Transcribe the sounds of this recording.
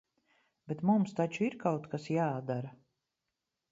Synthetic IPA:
bɛt̪mumst̪at͡ʃuiɾkawt̪kasjaːd̪aɾa

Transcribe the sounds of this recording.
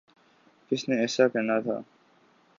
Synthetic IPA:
kɪsneɛːsakɛnat̪ʰa̰ː

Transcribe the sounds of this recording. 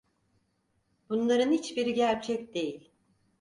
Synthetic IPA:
bunlˠaɾɯnhit͡ʃbiɾiɟæɾt͡ʃʰɛcd̪e̞jilʲ

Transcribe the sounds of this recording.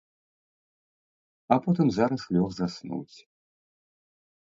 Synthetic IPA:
apɔt̪ɨmzaɾɐslʲɔxzasnṵwsʲ

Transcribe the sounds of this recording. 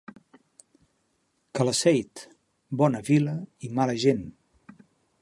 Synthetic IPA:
kələsɛjt̪ | bɔnəβiləimaləʒen

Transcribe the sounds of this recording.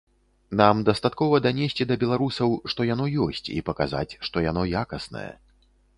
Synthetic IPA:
namd̪ɐst̪at̪kɔvɐd̪anʲesʲt͡sʲid̪ɐbʲɛlˠaɾusɐwʂt̪ɔjanɔjɔsʲt͡sʲḭpɐkaza̰t͡sʲʂt̪ɔjanɔjakɐsnɐ̰jɛ̰

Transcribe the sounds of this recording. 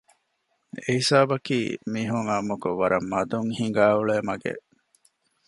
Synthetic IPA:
eisaːbɐkḭːmiːɦuŋaːmukuʋɐɾɐmːɐd̪uŋhiŋɡaːuɭeːmɐɡḛ

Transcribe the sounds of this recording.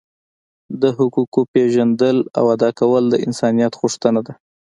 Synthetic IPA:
d̪əɦʊkukopeʒand̪əla̰wad̪ɑkawəld̪əɪnsɑnijɑt̪ɣʊʂt̪ənad̪a

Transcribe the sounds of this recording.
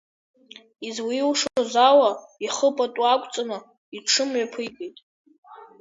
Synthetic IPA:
izwiiwʂoozawaiχəpʼatʼuakʷʼt͡sʼanɨ | iʈ͡ʂʰɨmɥapʰɨkʼejtʼ

